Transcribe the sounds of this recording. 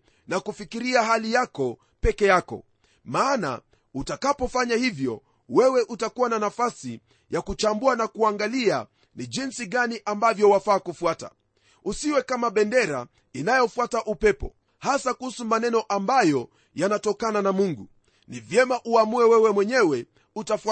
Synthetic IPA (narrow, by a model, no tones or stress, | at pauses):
nakufikiɾiaɦalijakɔ | pɛkɛjakɔ̰ | maːna̰ | utakapɔfaɲahivjɔ̰ | wɛwɛʔutakuwananafasi | jakut͡ʃambuanakuaŋɡalia | niʄinsiɠaniʔambavjɔwafaːkufuata̰ | usiwɛkamaɓɛndɛɾa̰ | inajɔfuataʔupɛpɔ̰ | hasakuhusumanɛnɔʔambajɔ | janatɔkananamuŋɡu | nivjɛmaʔuamuɛwɛwɛmwɛɲɛwɛ | utafa